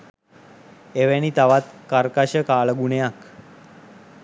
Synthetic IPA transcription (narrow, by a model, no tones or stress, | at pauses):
eʋañiːt̪aʋat̪kaɾkaɕəkaɭəɡuɳeak